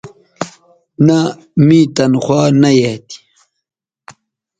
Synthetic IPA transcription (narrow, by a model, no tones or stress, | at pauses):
na | mit̪ɐnxwaːnɐjet̪i̥